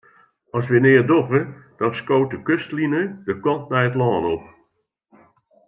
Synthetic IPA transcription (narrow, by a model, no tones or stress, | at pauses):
ɔsʋənɪːədoɣəd̥ɔnskoːt̚dəkøstlinədəkɔntnɛjətlɔːnɔp